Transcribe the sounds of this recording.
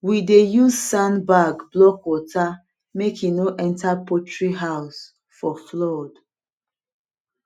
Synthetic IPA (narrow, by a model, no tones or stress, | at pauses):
widejuzsãnbaɡblɔkwɔta | mekʰinoʔɛ̃ntʰapʰɔtɹiɦaʊs | fɔflɔd̥